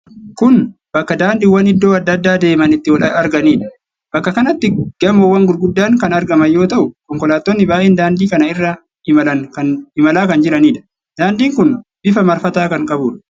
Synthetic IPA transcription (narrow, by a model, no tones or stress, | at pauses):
kʊnb̥ɐkːɐd̪aːnd̪ɪwɐnɪd̪ːo̞ːɐd̪ːɐd̪ːaːd̪e̞ːmɐnɪt̪ːɪwɐlɐɐɾɡɐniːᶑɐ | b̥ɐkːɐkɐnɐt̪ːɪɡ̥ɐmoːwɐŋɡʊlɡʊd̪ːaːŋkɐnɐɾɡɐmɐjo̞ːt̪ɐʔʊkɔŋkɔlaːt̪ːonːɪbaːʔeːnd̪aːnd̪iːkɐnɐɪrːa | ɪmɐlɐnkɐnɪmɐlaːkɐnd͡ʒɪɾɐniːᶑ̪ɐ̥ | d̪̥aːnd̪iːŋkʊnb̥ɪfɐmɐɾfɐt̪aːkɐŋkʼɐbuːᶑɐ̥